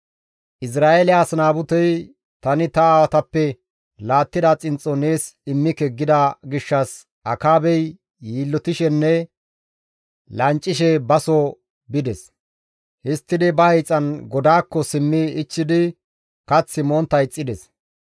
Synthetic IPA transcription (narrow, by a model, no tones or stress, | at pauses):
ʔɪs̬ɾaːʔelɪaːsnaːbʊt̪ɛj | t̪ɐnɪt̪ɐawɐt̪ɐpːɛ | laːt̪ːɪd̪ɐt͡sʼɪnt͡sʼːɔne̞ːsɪmːɪkɛɡːɪd̪ɐɡɪʃːɐs | ʔɐkaːbɛjː | iːlːɔt̪ɪʃɛnːɛ | lɐnt͡ʃʼːɪʃɛbɐsɔ | bɪd̪ɛs | hɪst̪ːɪd̪ɪbɐhɛjt͡sʼːɐnɡɔd̪aːkːɔsɪmːɪːt͡ʃːɪd̪ɪ | kɐt͡sːɪmoːnt̪ːɐjt͡sʼːɪd̪ɛs